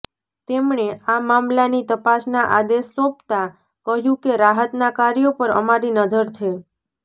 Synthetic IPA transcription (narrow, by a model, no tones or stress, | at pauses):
t̪emɳeamamlanit̪əpasnaʔad̪esːõpt̪a | kəɦjũkeɾaɦət̪nakaɾjopəɾə̰maɾinəd͡ʒəɾt͡ʃʰe